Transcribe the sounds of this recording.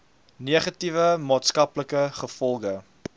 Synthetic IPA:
neːχɐtivəmɑːtskɐpləkəχəfɔlˠɡə

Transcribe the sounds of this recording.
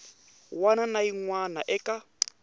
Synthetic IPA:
wananaiŋwanaʔɛka

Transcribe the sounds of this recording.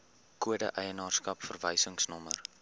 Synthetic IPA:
kuədəʔəjənɑːrskɐpfərvəjsəŋsnɔmər

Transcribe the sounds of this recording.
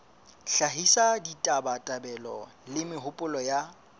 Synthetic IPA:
ɬaɦisaditʼabatʼabɛlɔlɪmɪɦʊpʼʊlɔja

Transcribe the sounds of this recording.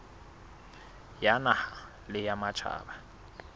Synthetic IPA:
janaha | lɪjamat͡ʃʰa̰ːba

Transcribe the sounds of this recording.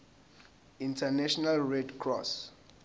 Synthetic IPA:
intʰanɛʃɔnalrɛdkʰrɔs

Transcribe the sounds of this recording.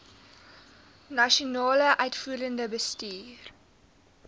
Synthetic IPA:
nɐʃonɑːləʔœɥtfuːɾəndəbəstiːr

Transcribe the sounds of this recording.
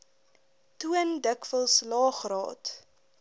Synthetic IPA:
tuəndəkvəlˠslɑːχrɑ̰ːt

